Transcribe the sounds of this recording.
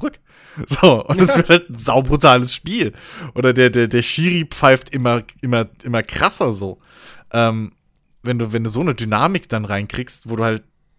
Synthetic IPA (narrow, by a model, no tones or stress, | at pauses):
ʁʏk | z̥oːʔʊntɛsv̥ɪɐthaltn̩zaʊbʁutʰaːləsʃpiːlʔoːdɐdeːɐdeːɐdeːɐʃiːʁiːpp͡faɪftʔɪmɐʔɪmɐʔɪmɐkʁ̥asɐzoː | ʔɛːm | vɛnduːvɛnduːzoːnədynaːmɪkd̥anʁaɪnkʁ̥iːkstv̥oːduːhalt̚